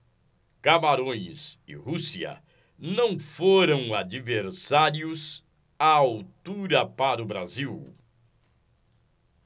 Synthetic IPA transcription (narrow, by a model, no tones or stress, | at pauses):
kamaɾõj̃sɪ̰husiɐ̰ | nɐ̃w̃foɾɐ̃w̃ad͡ʒiveɾsaɾjʊz | aawt̪uɾɐpaɾʊbɾaziw